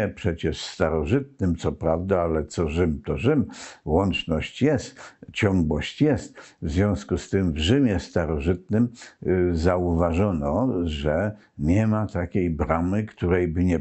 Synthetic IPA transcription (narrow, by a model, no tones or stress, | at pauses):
ɛpʂɛt͡ɕɛʂst̪aɾɔʐɘt̪̚nɘmt̪sɔpɾavd̪aalɛt̪sɔʐɘmt̪ɔʐɘmwɔnt͡ʂnɔɕt͡ɕjɛst̪t͡ɕɔŋɡwɔɕt͡ɕjɛst̪vzvʲjɔ̃w̃skust̪ɘmvʐɘmʲjɛst̪aɾɔʐɘt̪̚nɘm | zauvaʐɔnɔʐɛ | ɲɛmat̪akʲejbɾamɘkt̪uɾɛjbɘɲɛ